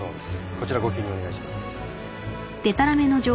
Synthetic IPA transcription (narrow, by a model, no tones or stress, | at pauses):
oːd̪esko̞t͡ɕiɾaɡo̞kʲiːɲʲːio̞ne̞ɡaiɕimasɨ̥ | t̪e̞t̪aɾame̞no̞d͡ʑo̞ː